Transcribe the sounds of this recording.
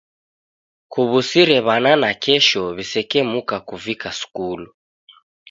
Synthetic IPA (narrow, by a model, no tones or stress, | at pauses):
kuβusiɾɛβananakʰɛʃɔβisɛkɛmukakuvikasu̥kulu